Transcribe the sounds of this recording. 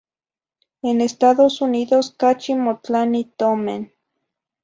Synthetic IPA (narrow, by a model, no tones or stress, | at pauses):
enest̪aðosuniðoskat͡ʃimot͡ɬanit̪omḛn